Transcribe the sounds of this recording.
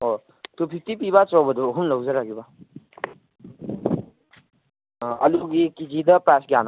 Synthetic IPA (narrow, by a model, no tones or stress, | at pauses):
ɦo | t̪upʰik̚tip̬iβat͡ʃɔbɐd̪uːɦumlɔwzʌɾaɡiba | ɐluɡikid͡ʒid̪ɐpasɡjan